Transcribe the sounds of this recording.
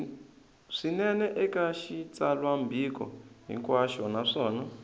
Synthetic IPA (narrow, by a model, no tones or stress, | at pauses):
ʂinɛnɛʔɛkaʃit͡salwambʱikɔ̰ɦḭŋkwaʃɔnaʂɔːna